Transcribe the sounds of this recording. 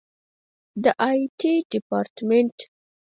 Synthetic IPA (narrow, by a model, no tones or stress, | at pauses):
d̪əʔajʈʰiɖɪpaɾʈmeɳʈ